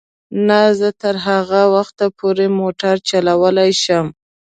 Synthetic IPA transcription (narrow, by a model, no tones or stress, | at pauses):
nazət̪əɾɦaɣawaxt̪apʰoɾemoʈaɾt͡ʃalawəlajʃəm